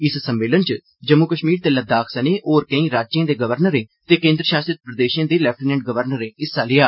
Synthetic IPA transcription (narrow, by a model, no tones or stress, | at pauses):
ɪssəmʋeːlənt͡ʃ | d͡ʒəmːukəʃmiːɾt̪eːləd̪aːkʰsəneːʔoːɾkə̃ĩːɾaːd͡ʒd͡ʒãːd̪eːɡəʋəɾnəɾẽːt̪eːkẽːnd̪ɾəʃaːsɾət̪̚pɾəd̪eːʃãːd̪eːlɛːp̚ʈinɛ̃ɳʈ̚ɡəʋəɾnəɾẽːɪsːaːlɪːaː